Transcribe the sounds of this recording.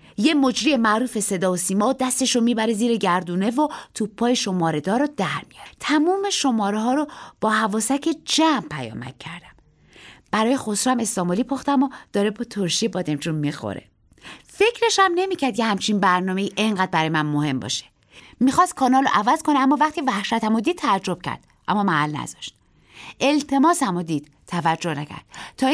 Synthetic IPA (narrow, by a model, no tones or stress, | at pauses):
je̞mo̞d͡ʒɾiːjemæʔɾuːfe̞se̞d̪ɒːosiːmɒːod̪æst̪e̞ʃɾomiːbæɾeziːɾeɟæɾd̪uːne̞vot̪ʰuːpʰːɒːjeʃo̞mɒːɾe̞d̪ɒːɾod̪æɾmijɒ̰ːɾt̪ʰæmuːme̞ʃo̞mɒːɾeɦɒːɾob̥ɒːhævɒːsæcʰe̞d͡ʒæmpʰæjɒ̰ːmæ̰cʰcʰːæɾd̪æ̥m | b̥æɾɒːjexo̞sɾuæme̞st̪ɒːmolipʰoxt̪æmod̪̥ɒːɾebɒt̪ʰoɾʃiebɒːd̪emt͡ʃʰunmixo̰ɾḛ | fe̞cʰɾe̞ʃæmne̞miːcʰæɾd̪jehæmt͡ʃʰinbæɾnɒːme̞iːʔeŋɢæːd̪̚bæɾɒːjemænmohe̞mbɒ̰ːʃe̥ | mixɒːst̪̚kʰɒːnɒːlo̰ʔævæzkʰoneæmːɒːvæχt̪ʰivæhʃæt̪ʰæmod̪iːd̪̚t̪ːʰæd͡ʒɾo̞b̥cʰæ̰ɾd̪̥ | ʔæ̰mːɒːmæhælnæ̰z̥ɒ̥̰ʃt̪̚ | ʔe̞lt̪ʰe̞mɒːsæmod̪iːd̪̥ | t̪ʰːævæd͡ʒːo̞hnæcʰæ̰ɾd̪̥̚t̪ʰɒːi